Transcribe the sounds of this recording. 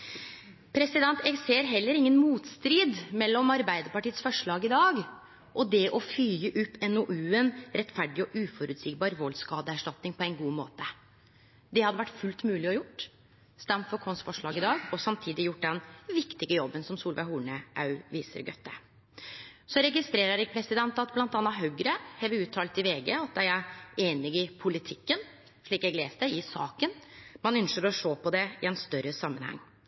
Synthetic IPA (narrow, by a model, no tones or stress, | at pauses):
pʰɾɛsɪd̪ɛnt̪ɛɡseːɾɦɛlːəɾɪŋːənmuːt̪st̪ɾiːd̪mɛlːɔmɑɾbæɪd̪əɾpɑʈiːət̪sfɔʂɭɑːɡɪd̪ɑːɡ | ʔɔd̪ɛʔɔfyːəʔʉpːɛnoʔʉːənɾɛt̪fæɖɪɔʔʉːfɔɾʉt̪sɪkbɑːɾʋɔlskɑːd̪əæʂʈɑt̪nɪŋpʰɔɛɪnɡuːmoːt̪ə | d̪ɛhɑd̪ːəʋæʈːfʉlt̪mʉːlɪɔjʊʈː | st̪ɑmfɔɾkʰɔnsfɔʂɭɑːɡɪd̪ɑːɡɔsɑmt̪ʰiːd̪ɪjʊʈːd̪ɛnʋɪkt̪ɪɡəjɔbːənsɔmsuːlʋæhuːɳəʔɑ̰ʉʋiːsə̰ɾɡœ̰t̪ːə̰ | sɔɾɛɡɪst̪ɾeːɾəɾɛɡ̚pʰɾɛsɪd̪ɛnt̪ɑt̪blɑnt̪ɑːnːɑɦœɡɾəhɛʋəʉːt̪ʰːɑːlt̪ɪʋeːɡeɑt̪̚d̪ɛjæeːnɪɡɪpʰʊlɪt̪ʰɪkːən | ʂɭiːkɛɡleːst̪ɛɪsɑːkənmɑnœnʃəɾɔʂoːpʰɔd̪ɛɪɛnst̪œɾːəsɑmːənhɑ̰ŋː